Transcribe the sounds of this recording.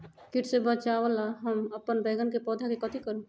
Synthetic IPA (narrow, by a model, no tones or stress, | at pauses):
kiʈsebət͡ʃaʋəlaɦəməpːənbeɡənkepɔːd̪ʱakekət̪ʰikəɾũ